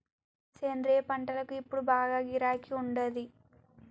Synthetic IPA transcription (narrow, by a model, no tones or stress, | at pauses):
t͡ʃeːnd̪ɾeːpɐɳʈɐlɐkuipːuɽubaːɡaːɡiɾaːkiuɳɖɐd̪i